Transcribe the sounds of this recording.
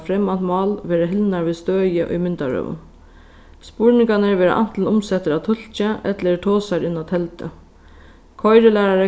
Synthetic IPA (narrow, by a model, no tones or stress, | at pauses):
fɾɛmant̪mɑːlʋeːɾaɦɪlnaɹʋiːst̪øːjɪʔʊ̰jmɪnt̪a̰ɹœ̰ːʋʊ̰n | spʊɹnɪŋkanəʋeːɾa̰ʔa̰n̥t̪l̩nʊmsɛt̪əɾat̪ʰʊl̥t͡ʃaʔɛt̪ləʈʰoːsaɾɪnːat̪ʰɛlt̪ə̰ | kʰɔjɾəlæːɾaɾə